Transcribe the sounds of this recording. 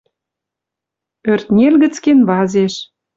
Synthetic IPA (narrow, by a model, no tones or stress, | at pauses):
ørt̪nʲelɣə̆t͡skenβɑzeʃ